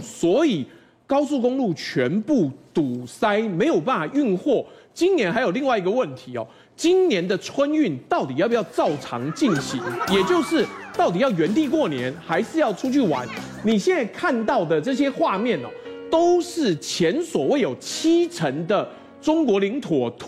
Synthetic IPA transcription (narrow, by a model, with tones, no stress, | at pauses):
swɔ˧˥i˨˩ | kɑ˥ʊsu˥˩kʊ˥ŋlu˥˩t͡ɕʰɥɛ˧˦npu˥˩t̪u˨˩sa˥ɪme˧˥ɪjo˨˩ʊp̬a˥˩nfa˨˩y˥˧nxwɔ˥˩t͡ɕi˥nnjɛ˧˦˥nxa˧˥ɪjo˨˩li˥˧ŋwa˥˩ɪi˧˥ɡə˧wə˥˩nt̪ʰi˧˥ɔ̰˨˩ | t͡ɕi˥nnjɛ˧˦nd̪ə˨ʈ͡ʂʰwə˦˥ny˥˩nt̪ɑ˥˩ʊt̪i˨˩jpjɑ˥˧ʊt͡sɑ˥˨˩ʊʈ͡ʂʰɑ̰˧˥ŋt͡ɕi˥˩nɕi˨˥˦ŋjɛ˨˩t͡ɕjo˥˧ʊʂɻ̩˥˨t̪ɑ˥˩ʊt̪i˨˩jɑ˥˩ʊɥɛ˧˦˥nt̪i˥˧kwɔ˥˩njɛ˧˦nxa˧˥ɪʂɻ̩˥˧jɑ˥˩ʊʈ͡ʂʰu˥t͡ɕʰy˥˩wa̰˧˦n | ni˨˩ɕjɛ˥˧na˥˧ɪkʰa˥˧nt̪ɑ˥˩ʊd̪ə˩ʈ͡ʂɤ˥˩ɕ̬jɛ˥xwa˥˧mjɛ˥˨nɐ̰˩t̪o˥ʊʂɻ̩˥˩t͡ɕʰjɛ˧˦nswɔ˨˩we˥˩ɪjo˨˩ʊt͡ɕʰi˥ʈ͡ʂʰə˧˦ŋd̪ə˨ | ʈ͡ʂʊ˥ŋkwɔ˧˥li˧˥ŋt̪ʰwɔ˨˩t̪ʰ